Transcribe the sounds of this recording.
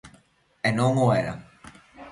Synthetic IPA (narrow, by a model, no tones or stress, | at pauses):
enõŋoeɾa̰